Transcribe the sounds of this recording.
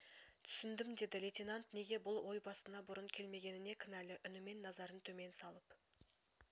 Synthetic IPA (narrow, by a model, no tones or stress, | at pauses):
t̪ʰʏ̥sɪnd̪ɪmd̪e̞d̪ɪlet̪ʲinant̪ne̞ɡʲe̞bʊlˠwo̞jbɑst̪ənɑbʊɾəɴkʲʰe̞lme̞ɡʲe̞nɪne̞kʲʰɪnælɪʔʏnɪme̞nːɑzɑɾənt̪ʰɵme̞nsɑlˠəp